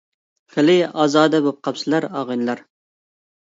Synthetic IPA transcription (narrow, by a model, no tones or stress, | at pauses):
χɪlɪɑːzɑːd̪ɛbop̚qʰɑpsɨlˠɑɾɑːʁɨnlˠɑɾ